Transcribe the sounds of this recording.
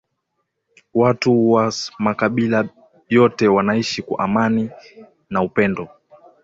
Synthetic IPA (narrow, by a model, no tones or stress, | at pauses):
watuwamakaɓila | jɔtɛwanaiʃika̰ʔamani | naupɛndɔ